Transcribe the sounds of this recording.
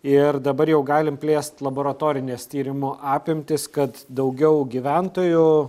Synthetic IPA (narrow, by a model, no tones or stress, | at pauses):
ɪrd̪ɐbɐɾjɛʊɡɑːlʲɪmpʲlʲeːst̪lˠɐboːɾɐt̪oːɾʲɪnʲeːst̪ʲiːɾʲɪmʊʔɑːpʲɪmʲt̪ʲɪskɐt̪d̪ɐʊɡʲɛʊɡʲiʋʲænt̪oːjʊ